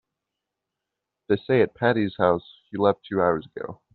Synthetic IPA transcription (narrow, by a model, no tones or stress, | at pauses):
ðɨɪseɪɨt̚pʰæɾiz̥haʊshilɛftʰʉaʊə˞zəɡ̥o̰ʊ